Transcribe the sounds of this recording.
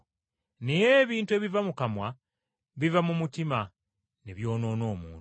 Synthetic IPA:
nejeβiːntue̞βivamukamwa | βivamumutima | neβjo̞ːno̞ːno̞ːmuːnu

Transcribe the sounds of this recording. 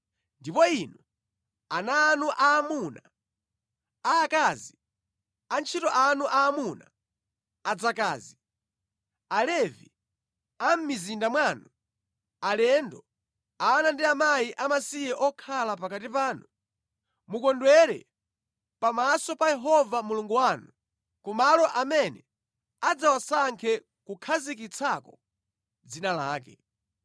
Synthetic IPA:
ndipɔinɔ | anaːnuʔaːmuna | aːkaːzi | ant͡ʃʰitɔʔanuʔaːmuna | ad͡zaka̰ːzi | alɛvi | am̩mizindamwaːnu | alɛndɔ | aːnandiamaiʔamasijɛʔɔkʰalapakatipaːnu | mukɔndwɛɾɛ̰ | pamasɔpajɛɦɔvamuluŋɡuwaːnu | kumalɔʔamɛnɛ | ad͡zawasaŋkʰɛ | kukʰazik̬it͡sʰakɔ | d͡zinalaːkɛ̰

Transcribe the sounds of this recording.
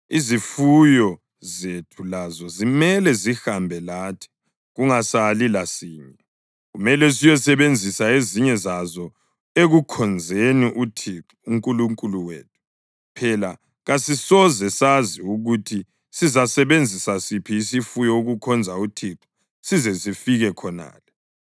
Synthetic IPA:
izifujɔ | zetʰulazɔzimɛlɛzihambʱɛlaːtʰi̥ | ɣuŋasalilasiːɲɛɛ | ɣumɛlɛsijɔsɛβend͡zʱisaeziɲɛzazɔ | eɣukʰɔnd͡zʱeniʔutʰiǁ | uŋkʼuluŋkʼuluwḛːtʰu̥ | pʰɛla | ɣasisɔzɛsaziuɣutʰi | sizasɛβend͡zʱisasipʰiːsifujɔuɣukʰɔnd͡zʱautʰiǃi̥ | sizɛzifiɣɛkʰɔna̰ːlɛ

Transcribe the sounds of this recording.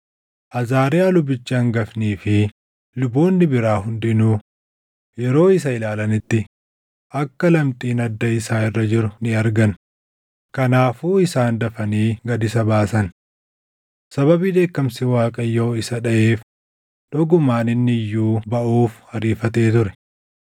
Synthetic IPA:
ʔɐzaːɾeɐlʊbɪt͡ʃːaːŋɡɐfniːfɪ | lʊboːnːɪbɪɾaːɦʊnd̪ɪnuː | jɛɾo̞ːɪsɐɪlaːlɐnɪt̪ːɪ | ʔɐkːɐlɐmt̪ʼiːnɐd̪ːɐɪsaːɪrːɐd͡ʒɪɾʊnɪɐɾɡɐn | kɐnaːfuːɪsaːnd̪ɐfɐniːɡɐd̪ɪsɐbaːsɐn | sɐβɐbiːd̪e̞ːkːɐmsɪwaːkʼɐjːoːɪsɐᶑɐʔeːf | ᶑ̪ɔɡʊmaːnɪnːɪjːuːbɐʔuːfhɐɾiːfɐt̪e̞ːt̪ʊɾɛ̥

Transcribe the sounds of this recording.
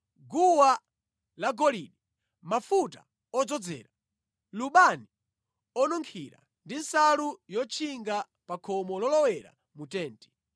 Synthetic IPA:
ɡuwa | laɡɔliɗi | mafuta̰ | ɔd͡zɔd͡zɛ̰ːɾa | luɓani | ɔnuŋkʰiɾa̰ | ndinsalujɔt͡ʃʰiŋɡa | pakʰɔmɔlɔlɔwɛɾa̰ | mutɛːntɛ̥

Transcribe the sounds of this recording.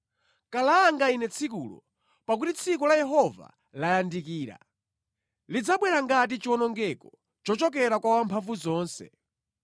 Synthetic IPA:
kalaŋɡainɛt͡sʰik̬ulɔ̰ | pak̬utit͡sʰikɔlajɛɦɔva̰ | lajandikiːɾa̰ | lid͡zaɓwɛɾaŋɡat̬it͡ʃɔnɔŋɡɛkɔ | t͡ʃɔt͡ʃɔk̬ɛɾakwawampʰaɱvuzɔːnsɛ̰

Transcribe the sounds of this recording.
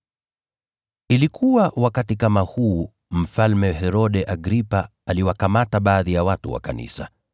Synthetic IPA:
ilikʰuwawakatikamahuː | m̩falmɛɦɛɾɔɗɛʔaɡɾipa | aliwakamataɓaːðijawatuwa̰kanḭsa

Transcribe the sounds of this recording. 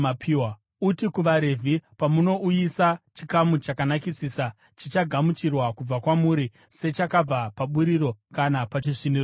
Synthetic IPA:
apʰiwa | utikuʋaɾe̞vʱipamuno̞ʔujisat͡ʃikamut͡ʃakanakisiːsa | t͡ʃit͡ʃaɡʱamut͡ʃirwakub͡vakwamuːɾi | se̞t͡ʃakab͡vapaɓuɾiɾo̞kanapat͡ʃiʂinir

